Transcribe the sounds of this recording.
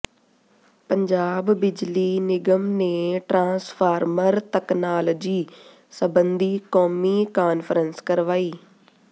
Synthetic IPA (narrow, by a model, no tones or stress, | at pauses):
pəɲd͡ʒaːbːɪd͡ʒliːnɪɡəmneːʈɾãːspʰaːɾməɾt̪əknaːləd͡ʒiː | səbənd̪iːkoːmiːkaːnfʰəɾənskəɾʋaːiː